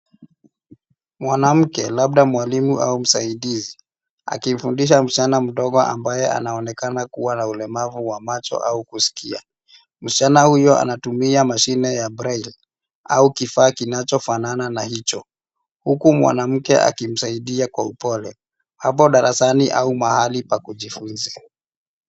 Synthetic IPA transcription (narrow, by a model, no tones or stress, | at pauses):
mwanam̩kɛlaɓ̚ɗamwalimuʔa̰um̩saiɗizi | a̰kim̩fundiʃ̬am̩t͡ʃanam̩ɗɔɠɔʔa̰mbajɛa̰naɔnɛkanakuwanaulɛmavuwamat͡ʃɔ̰ʔaukusi̥kia | m̩t͡ʃanahujɔa̰natumiamaʃinɛjabɾail | aukifaːkinat͡ʃɔfanananahit͡ʃɔ | hukumwa̰nam̩kɛ̰ʔa̰kim̩saiɗiakwaupɔlɛ | hap̬ɔɗaɾasaniʔaumahalipakuʄifunzɛ